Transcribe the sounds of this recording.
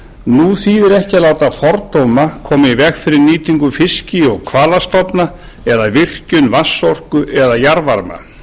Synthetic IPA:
nuθiɛɾɛhcɪalaːwt̪afɔɾt̪owmakʰɔːmɪivɛɣfɪɾɪɾniːt̪iŋkʏfɪscɪɔɣkʰvaːlast̪ɔpna | ɛðavɪr̥cʏnvasːɔr̥kʏʔɛðajaɾvaɾma̰

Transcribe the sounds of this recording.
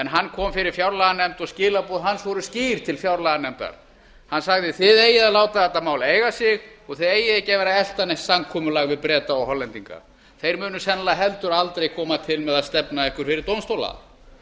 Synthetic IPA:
ɛnɦanːkʰɔːmfɪɾɪɾ̥fjawɾlaɣanɛmt̪ɔɣscɪːlapuðɦanːsvɔɾʏsciːɾ̥t̪ʰɪlfjawɾlaɣanɛmt̪a̰ɾ̥ | hanːsaɣðɪθɪðejɪðaðlaːwt̪aðɛt̪ːamaːwleːjɣasɪɣɔɣθeðeːjɪðejcavɛːɾaɛl̥t̪anejht̪samkʰɔːmʏlaɣvɪðpɾɛːt̪aɔɣɦɔlːɛnt̪iŋka̰ | θejɾmʏːnʏsɛnalaɦɛlt̪ʏɾalt̪ɾejkʰɔːmat̪ʰɪlmɛðaðst̪ɛpnaɛhkʏɾ̥fɪɾɪɾ̥t̪ownst̪owla̰

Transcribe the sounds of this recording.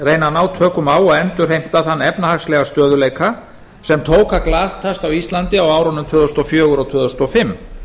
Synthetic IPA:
reːjnanawt̪ʰœːkʏmaːwɔɛnt̪ʏɾ̥ɦejm̥t̪aθanːɛpnahaxslɛɣast̪œːðʏleːjka | sɛmt̪ʰoːwkaklaːst̪ʰast̪awist̪lant̪ɪawaːwɾɔnʏmt̪ʰœːðʏst̪ɔfjœːɣʏɾɔwt̪ʰœːðʏst̪ɔfɪmː

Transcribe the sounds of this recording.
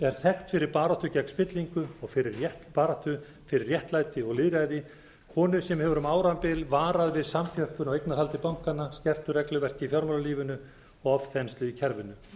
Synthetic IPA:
ɛɾ̥θɛxt̪fɪɾɪɾpaːɾaht̪ʏcɛkspɪt̪liŋkʏɔɣfɪɾɪɾjɛht̪paːɾat̪ʏ | fɪɾɪrjɛht̪laːjt̪ɪɔɣlɪðɾaːjðɪ | hɔːnʏsɛmhɛvʏɾʏmaːwɾampɪlvaːɾaðvɪðsamθʰœhpʏnawejk̪naθhalt̪ɪpawŋ̥kanːascɛr̥t̪ʏɾɛklʏvɛr̥c̪ɪifjawɾmalaliːvʏnʏ | ɔvθɛnst̪lʏicʰɛɾvɪnʏ

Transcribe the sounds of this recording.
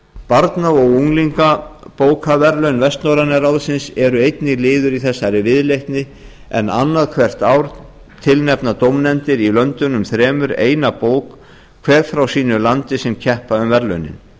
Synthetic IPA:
paɾt̪naɔɣuŋliŋkapoːwkʰavɛɾlœɥnvɛst̪nowɾanaɾawðsɪnsɛɾʏejt̪nɪɣlɪːðʏɾiθɛsːaɾɪvɪðlejht̪nɪ | ɛ̰na̰nːaðkʰvɛr̥t̪awɾ | t̪ʰɪlnɛpnat̪owmnɛnt̪ɪɾilœnt̪ʏnʏmθɾɛːmʏɾḛːjnapoːwkʰ | vɛːɾfɾawsiːnʏlant̪ɪsɛmcʰɛhpaʏmvɛɾlœ̰ɥnɪ̰n

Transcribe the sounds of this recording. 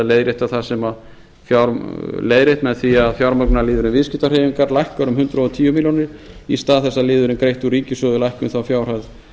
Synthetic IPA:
lejðɾeht̪aθasɛma | fjaɾleːjðɾeht̪mɛðθiaðfjawɾmœknalɪːðʏɾɪnvɪðsciht̪ar̥eːjvɪŋkaɾlajhkœɾʏmhʏnt̪ɾaɔt̪ʰiːjʏmiljonɪɾ̥ist̪aːðθɛsːaðlɪːðʏɾɪnkɾejht̪uɾiːcɪsœðʏlajhkʏnθawfjawr̥að

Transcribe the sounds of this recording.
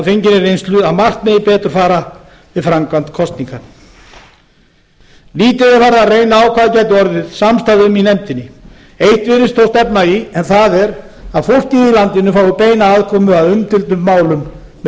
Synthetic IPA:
aðfejɲcɪnɪɾejnst̪lʏaðmar̥t̪mɛjɪpɛːt̪ʏɾ̥faːɾa | vɪðfɾamkant̪kʰɔst̪niŋkan | liːt̪ɪɪfaːɾaːreːjnaaːwkʰvaːðacaːjt̪̬ɪɔɾðɪðsamst̪aðʏminɛmt̪ɪnːɪ | ejht̪vɪːɾɪst̪ʰowst̪ɛpnaiɛnθaðɛɾaðfowl̥ciilant̪ɪnːʏfaːwʏpeːjnaaðkʰɔːmʏaðʏmt̪ɪlt̪ʏmːaːwlʏmː

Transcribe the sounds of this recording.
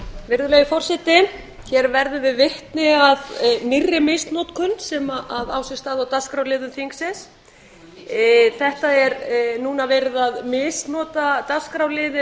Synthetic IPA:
vɪɾðʏlɛːjɪfɔr̥sɛt̪ɪ | çɛɾvɛɾðʏvɪðvɪht̪nɪaðnɪrːɪmɪːst̪nɔːt̪kʰʏnːsɛmaʔaðaːwsɪst̪aːðawt̪askɾawlɪːðʏmθiŋksɛs | θɛht̪aɛɾnuːnavɛːɾɪðaðmɪːst̪nɔːt̪at̪askɾawlɪːðɪ

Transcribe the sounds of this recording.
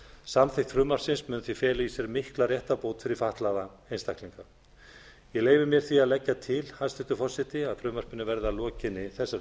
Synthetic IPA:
samθɪht̪fɾʏːmar̥sɪnsmʏnθvifjɛːlaisjɛɾmɪhklarjɛht̪apoːwt̪fɪɾɪɾfaht̪laða | ejnst̪ahkliŋka | jɛleːjvɪɾmjɛɾ̥θiaðlɛcːat̪ʰɪlhast̪ɪht̪ʏfɔr̥sɪt̪ɪaðfɾʏːmar̥pɪnːʏvɛɾðalɔːcɪnːɪθɛsːa

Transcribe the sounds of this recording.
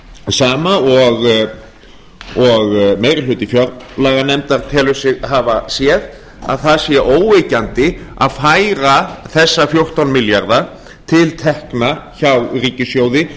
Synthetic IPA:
saːmaɔɣ | ɔɣmeːjɾɪlʏːt̪ɪfjœɾlaːɣanɛmt̪aɾt̪ʰɛːlʏsɪɣɦavasjɛð | a̰ðθaðsjɛʔoːwvecant̪ɪaðfaːjɾaθɛsːafjowr̥t̪awnmɪljaɾða | t̪ʰɪlt̪ʰɛhknaçawriːcɪsjowðɪ

